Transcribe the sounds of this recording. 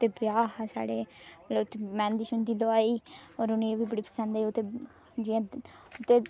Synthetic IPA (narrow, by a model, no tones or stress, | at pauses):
t̪eːbjaːɦsa̰ːɽeːleʊt̪ːeːmɛ̃ːnd̪iːʃʊnd̪iːd̪oaːiːɔːɾʊnĩeʋiːbəɽiːpə̥sə̃nd̪eʊt̪eː | d͡ʒiãːʊt̪ːeː